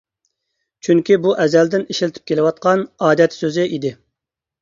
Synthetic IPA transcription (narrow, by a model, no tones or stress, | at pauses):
t͡ʃʰyŋkʲibuʔɛzɛld̪ɪneʃilt̪ʰy̥p̚kʲʰelɪwɑt̪̚qʰɑnɑːd̪ɛt̪søzɪʔid̪ɪ